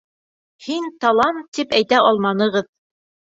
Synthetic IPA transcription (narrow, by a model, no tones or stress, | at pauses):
hint̪ɑlˠɑmt̪ːipæjt̪æʔɑlˠmɑnɤ̆ʁɤð